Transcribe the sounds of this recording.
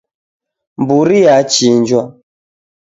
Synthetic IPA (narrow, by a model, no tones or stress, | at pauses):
mbuɾijat͡ʃind͡ʒwa